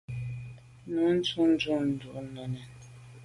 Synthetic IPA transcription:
nu˨˦n̩˦tu˦n̩˦d͡ʒu˦n̩˨du˨ʔnɔ˨nɛ˨n

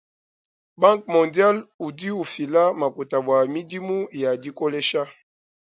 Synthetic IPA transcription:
ba˦ŋk̚mɔ̃˨ndja˦lu˨di˦u˨fi˨la˦ma˨ku˨ta˨bwa˨mi˦di˦mu˦ja˨di˦ko˦lɛ˦ʃa˦

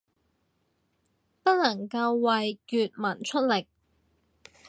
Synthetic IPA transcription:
pɐ˥t̚lɐ˨˩ŋkɐ˧wːɐ˨jkyː˨˧t̚mɐ˨˩nt͡ʃʰɵ˥t̚lɪ˨k̚

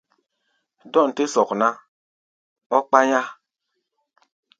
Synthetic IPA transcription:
dɔ˦˨n̩˨te˦sɔ˨kna˦ | ɔ˦k͡pa˦ɲa˦

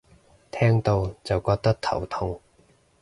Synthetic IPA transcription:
t̪ʰɛː˥ŋt̪o˧wt͡sɐ˨wkɔː˧k̚t̪ɐ˥k̚t̪ʰɐ̰˨˩wt̪ʰʊ˧ŋ

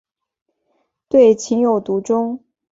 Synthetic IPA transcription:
t̪we˥˩ɪt͡ɕʰi˧˥ŋjo˨˩ʊt̪u˧˥ʈ͡ʂʊ˥ŋ

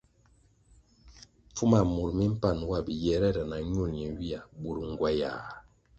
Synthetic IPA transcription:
p͡fu˦ma˨mu˨ɾmi˦m̩˦pa˦˨n˦wa˦˨bi˨jɛ˨ɾɛ˦˨ɾə˨na˨ɲu˦˨nɲɛ˨wi˦a˨bu˨ɾŋ˨ɡwa˦jaː˨

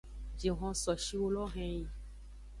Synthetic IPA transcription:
d͡ʒe˨ɦɔ̃˧sɔ˨ʃi˦wo˦lɔ˦ɦɛ̃˦ji˨

